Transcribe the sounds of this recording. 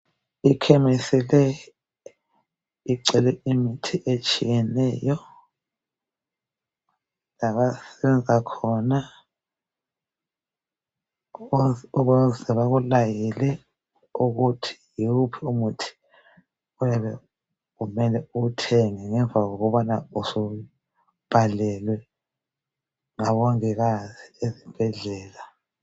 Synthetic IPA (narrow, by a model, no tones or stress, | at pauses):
ikʰɛmisilɛ | iǀɛlɛimitʰiʔet͡ʃʼijɛnɛːjɔ | laβasɛβɛnd͡zʱakʰɔna | ɔɣuzɛβaɣulajilɛ | uɣutʰi̥juupʰiumutʰi̥ | ujaβɛ | ɣumɛlɛutʰɛŋɛŋɛɱvaɣoɣuβanausu | b̥ʱalɛlwɛ | ŋaβɔŋɛɣaziezib̥ʱɛɮɛːla